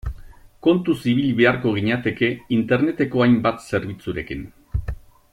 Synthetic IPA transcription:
ko̞nt̪usiβ̞ilβe̞aɾko̞ɣ̞iɲat̪e̞ke̞int̪e̞ɾne̞t̪e̞ko̞ajmbat̪se̞ɾβ̞it͡suɾe̞kin

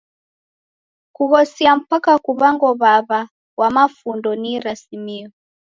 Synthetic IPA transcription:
kuɣɔsiam̩pakakuβaŋɡɔβaβa | wamafundɔniɾasimiɔ

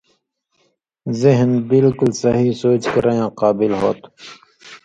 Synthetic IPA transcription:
zɪɦnbɪlkʊlsɐɦisoːt͡ʃkɐɾajãːqaːbɪlɦo̰ːt̪

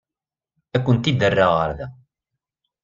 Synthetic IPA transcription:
ækʷːənt̪id̪ərːaʁə̰ɾðæ

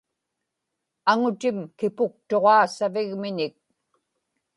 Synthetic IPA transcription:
aŋʊt̪ɪmkɪpʊk̚t̪o̞ʁɑːsavɪɣmɪɲɪk̚

